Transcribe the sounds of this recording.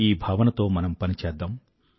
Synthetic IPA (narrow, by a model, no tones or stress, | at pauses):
iːbʱaːʋɐnɐt̪o̞ːmɐnɐmpɐnit͡ʃɛːd̪ːaːm